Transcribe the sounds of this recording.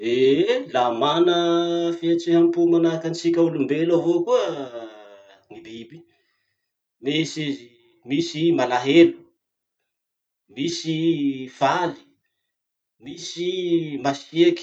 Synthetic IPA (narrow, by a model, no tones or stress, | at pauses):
elamanəfiet͡siɦampumanakanit͡sikʲaulumbelavokuə | nibibi̥ | mesizi | misimalaɦelu̥ | misifali̥ | misimaʃieki̥